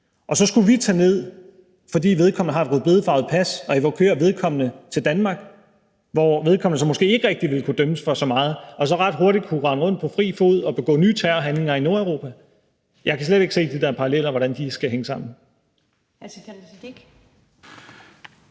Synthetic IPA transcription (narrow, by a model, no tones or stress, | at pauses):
ʔɒ̽sɒ̽sɡ̥uʋit͡sʰɛːne̝ð̞̰ˠ | fɒ̽dḭːʋe̝ð̞ˠkʰɒ̽mnəɦɑ̈e̝dʁyðˠbe̝ð̞ˠfɑ̈ʊð̩ˠpʰæsɒ̽iʋɒkʰøːɐʋe̝ð̞ˠkʰɒ̽m̰nət͡sʰe̝ld̥ænmɑ̈ːɡ̥ | ʋɒʋe̝ð̞ˠkʰɒ̽m̰nəs̬ɒ̽mːɔ̽sɡ̥e̝̰ːe̝ɡ̥əʁɛɡ̥d̥iʋe̝lkʰud̥œməsfɒ̽sɒ̽mɑ̈ːð̞̩ˠɒ̽s̬ɒ̽ʁɑ̈d̥ɦo̝ɐɾ̥id̥̚kʰuʁɑ̈nəʁɔ̽n̰d̥̚pʰɒ̽fʁḭːfo̝̰ð̩̰ˠɒ̽b̥e̝ɡ̥ɔ̰̽ːnyːt͡sʰæːɦænle̝ŋɐino̝ɐæʊʁo̝ːpʰæ | jʔɑ̈ɪkʰæs̬leɾ̥e̝ɡ̥se̝̰ːd̥id̥æɐpʰɑ̈ʁɑlel̰ɐʋɒɾænd̥isɡ̥æɦeŋəsɑ̈m̰n̩